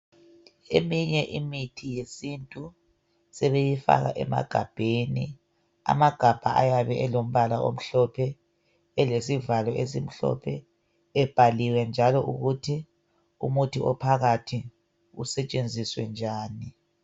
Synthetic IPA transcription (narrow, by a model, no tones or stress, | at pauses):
ḛmiɲɛʔimitʰijesintʼu | sɛβejifa̰ɣa̰ʔɛ̰ma̰ɡ̥ʱab̥ʱeni | a̰maɡ̥ʱab̥ʱaʔa̰jaβɛʔɛlom̩βalaʔo̰m̩ɬɔpʰɛ | ɛlesivalɔʔesim̩ɬɔ̰pʰɛ | ɛb̥ʱaliwɛnd͡ʒʱalɔʔuɣutʰi | ṵmutʰiʔɔpʰaɣatʰi | ṵsɛt͡ʃʼend͡zʱiswɛnd͡ʒʱaːni